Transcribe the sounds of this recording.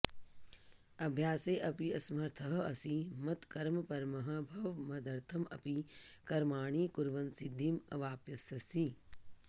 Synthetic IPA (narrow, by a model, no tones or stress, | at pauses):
ɐbʱjaːseːʔɐpiɐsmɐɾt̪ʰɐɦɐ̆ɐsimɐt̪kɐɾmɐpɐɾmɐɦɐ̆bʱɐʋmɐd̪ɐɾt̪ʰɐmɐ̰pikɐɾmaːɳ̃iːkuɾʋɐnsid̪ʱːimɐ̰ʋaːpjɐsɐsi